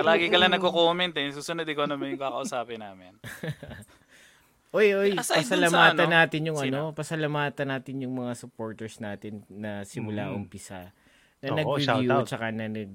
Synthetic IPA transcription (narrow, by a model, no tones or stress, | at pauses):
pɐlaːɡɪkɐlɐnɐɡ̚kːokoːmɛnt̪ɛsuːsʊnod̪ɪkonɐmɐnjʊŋkaːkɐʔusaːpɪnːaːmɪn | ʔojʔojpɐsɐlɐmaːt̪ɐnaːt̪ɪnjʊŋɐnopɐsɐlɐmaːt̪ɐnːaːt̪ɪnjʊŋmɐŋasʊpo̞ːɹt̪ɛɹsnaːt̪ɪnːɐsɪmʊla̰ʔʊmpɪsa̰ | nɐnɐɡɾɪjut͡ʃɐkanɐnɐɡ̚